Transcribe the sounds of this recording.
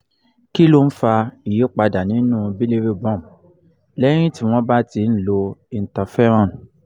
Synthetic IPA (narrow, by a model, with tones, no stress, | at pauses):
ki˦lo˦n̩˦fa˧i˨je˨˦k͡pa˧da˨nĩ˨˦nũ˦bi˦le˦ɾe˦˨bɔ̃˦˨m | lɛ˦ɾ̃ĩ˦ti˦w̃ɔ̃˦ba˦ti˧˦n̩˦lo˧i˧n̩˨ta˧fɛ˦ɾ̃ã˦˨n˨